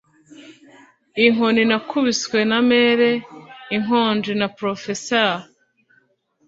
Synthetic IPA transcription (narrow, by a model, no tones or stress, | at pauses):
iŋoninakʰuβiswe̞nameɾeiŋoːnd͡ʒinapɾofesa